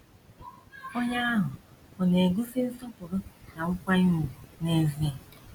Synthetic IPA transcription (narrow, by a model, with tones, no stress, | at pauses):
o˦ɲa˦ɦʊ˨ɔ˨ne˨ɡu˦sɪ˦n̩˦sɔ˦pʊ˨ɾʊ˦na˨ŋʊ˦kʷa˦i˦mu˨ne˦zi˦˨